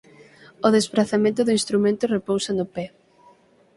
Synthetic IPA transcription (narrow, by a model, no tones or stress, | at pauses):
oðezβɾaθamẽnt̪ʊðʊĩnst̪ɾumẽnt̪ʊrepowsanʊpɛ